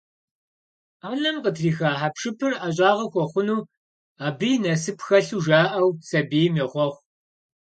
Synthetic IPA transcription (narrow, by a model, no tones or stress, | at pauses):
aːnɐmqətʰriːxaːħapʂɨpʰɨraɕʼaːʁɐxʷɔχʷʊnuː | aːbɨjnɐsɨpxɐɬuːʒaːʔɐwsɐbiːjmeʁʷɔχʷ